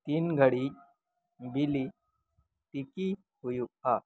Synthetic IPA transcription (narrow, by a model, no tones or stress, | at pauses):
t̪iːnɡʱəɽi | bili | t̪iki | hujua